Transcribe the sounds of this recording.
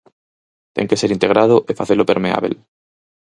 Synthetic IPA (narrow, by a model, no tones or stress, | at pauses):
t̪ḛŋkeseɾint̪eɣ̞ɾaðoʔefaθelopeɾmea̰βḛl